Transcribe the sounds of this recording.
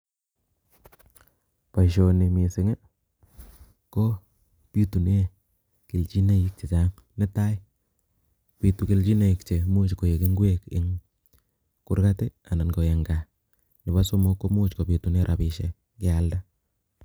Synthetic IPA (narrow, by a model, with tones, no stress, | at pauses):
pa˨ʃo˨ni˨mi˨sɪ˨ŋe˦ | ko˦ | pi˦tu˨n˦e˦ | ki˨lt͡ʃi˦na˦i˦k̚t͡ʃi˨t͡ʃa˦ŋ | ne˦ta˦i˦ | pi˨tu˨ki˨˦lt͡ʃi˦na˨i˨kt͡ʃe˨mu˦t͡ʃko˨je˨ki˦ŋɡwe˦kɪ̰˦ŋ | ku˦ɾka˦te˦a˨na˨nɡo˨e˨ŋɡa˨ | nɪ˨ba˦so˦mo˦kːo˦mu˦t͡ʃko˨pi˨tu˨n˦e˦ɾʔa˨pi˨ʃe˨ | kɪ˦alda˦